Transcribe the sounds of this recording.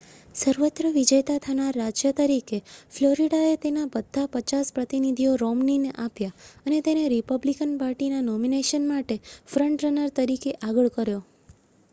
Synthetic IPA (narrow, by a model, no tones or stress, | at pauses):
səɾʋət̪ɾəʋid͡ʒəjt̪at̪ʰanaɾːad͡ʒjət̪əɾikefloɾiɽaet̪enabəd̪ʱːapət͡ʃaspɾət̪inid̪ʱijoɾɔmnineʔapjaənet̪eneɾipəblikənpaɾʈinanɔmineʃənmaʈefɾəɳʈɾənəɾt̪əɾikeʔaɡəɭkəɾjo